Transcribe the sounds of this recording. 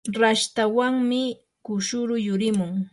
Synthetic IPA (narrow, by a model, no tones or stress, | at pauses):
ɾaʃt̪awaŋmɪ | kʊʃʊɾʊjʊɾɪmʊŋ